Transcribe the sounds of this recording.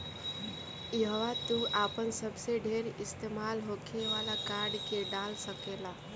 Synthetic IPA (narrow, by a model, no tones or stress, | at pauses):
iɦəʋat̪uʔaːpənsəbseɖʱeːɾɪst̪emaːlɦokʰeʋalakaɾɖkeɖalsəkela